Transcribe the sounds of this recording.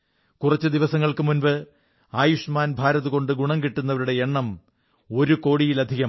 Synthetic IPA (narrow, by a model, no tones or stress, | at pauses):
kurɐt͡ɕːɨd̪iʋɐsɐŋːɐɭkɨmunʋɨ | aːjuʂmaːnbʱaːɾɐðuko̞ɳɖɨɡuɳɐmkiʈːunːɐʋɐɾuɽe̞eɳːɐm | o̞ɾuko̞ːɽijilɐd̪ʱiɣɐm